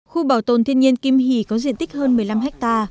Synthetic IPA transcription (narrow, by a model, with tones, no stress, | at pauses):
xu˧ɓaː˨˩wt̪o˨˩nt̪ʰi˧ənɲi˧ənki˧mɦi˧˩kɔ˨˦zḭ˧˨nt̪i˦˥k̟̚həː˧nmɨ˨˩əjla˧mɦɛ˦˥k̚t̪aː˧